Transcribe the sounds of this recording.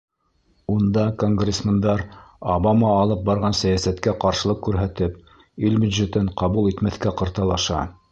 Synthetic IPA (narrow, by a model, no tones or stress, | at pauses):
und̪ɑkoŋɡrʲesmʲend̪ɑɾoβɑmɑːlˠɤp̚bɑɾʁɑnsæjæsæt̪kæqɑɾʃɤ̆lˠɤq̚kʉɾɦæt̪ɘp | ilbʲʉd̪ʒet̪ɘɴqɑβulˠit̪mæθkæqɤ̆ɾt̪ɑlˠɑʃɑ̰